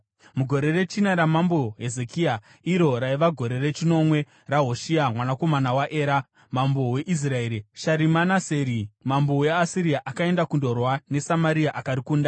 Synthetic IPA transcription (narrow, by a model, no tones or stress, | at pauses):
muɡʱo̞ɾe̞re̞t͡ʃinaɾamambo̞ɦe̞ze̞kia | iɾo̞ɾaiʋaɡʱo̞ɾe̞re̞t͡ʃino̞mwe̞ | raɦo̞ʃiamwanako̞manawaʔe̞ːɾa | mambo̞we̞ʔis̬rae̞ːɾiʃaɾimanaseɾimambo̞we̞asiɾiaʔakae̞ndakundo̞rwane̞samaɾiaʔakaɾikuːnda